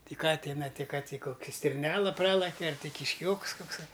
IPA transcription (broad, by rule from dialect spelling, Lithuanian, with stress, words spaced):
ˈtʲɪ ˈkɐ ˈtʲɪnɐ tʲɪ kɐ tʲiː ˈkoːkʲɛ sʲtʲɪrʲˈnʲæːlˠɐ ˈprɑːlˠɐkʲɛ ɐr tʲɪ kʲɪʃʲˈkʲoːks koːkˈsɐɪ